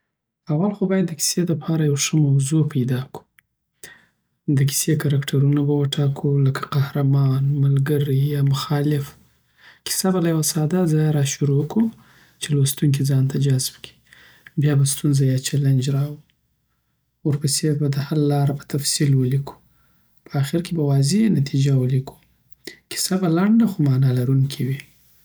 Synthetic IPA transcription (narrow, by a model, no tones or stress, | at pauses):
awalxobɑjad̪ːəki̥sed̪əpʰɑɾajawʂəmawzopʰajd̪ɑku̥ | d̪əkʰi̥sekaɾakʈʰaɾunabawəʈʰɑkʰuləkʰḁqahɾamɑnmalɡəɾijɑmʊxɑlɪf | kʰɪ̥sabalajawasɑd̪azɑjaɾɑʃuɾoku | t͡ʃelost̪uŋk̬id͡zɑnt̪ad͡ʒazbkʰi̥ | bjɑbast̪unzajɑt͡ʃaland͡ʒɾɑwi | oɾpəsebad̪əhalalɑɾapə̥t̪afsilwəlikʰu̥ | pʰəaxɪɾkebawɑzenat̪ʰid͡ʒawəlikʰu̥ | kɪ̥sabalaɳɖaxomɑnɑlaɾuŋkʰiwi